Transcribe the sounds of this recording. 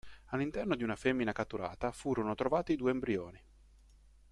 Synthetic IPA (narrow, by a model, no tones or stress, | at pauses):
alːint̪ɛrnod̪iunafemːinakat̪ːuɾa̰ːt̪afuːɾonot̪ɾovaːt̪id̪uːembɾioːni